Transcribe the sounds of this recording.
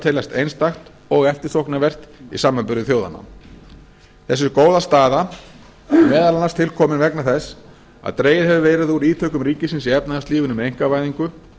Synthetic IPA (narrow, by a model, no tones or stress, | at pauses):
t̪ʰeːlast̪ejnst̪axt̪ | ɔɣɛft̪ɪɾ̥θohknavɛr̥t̪ḭsaːmːapʏɾðɪθjowða̰nːa̰m | θɛsːʏɾkoːwðast̪aːða | mɛːðalanast̪ʰɪlkʰɔːmɪnvɛknaθɛs | a̰ðt̪ɾeːjɪɾɦɛvʏvɛːɾɪðuɾiːt̪ʰœːkʏmɾiːcɪsɪnsiɛpnaðast̪iːvɪnʏmejŋ̥kavaːjðiŋkʏ